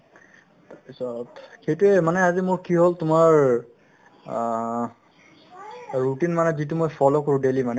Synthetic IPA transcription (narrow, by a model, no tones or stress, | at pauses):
tapisɔtxejtuɛmanɛazimʊɹkiɦoltʊmaɹ | ɹutinmanɛzit̬umojfʰɔlokoɹʊ̃delimanɛ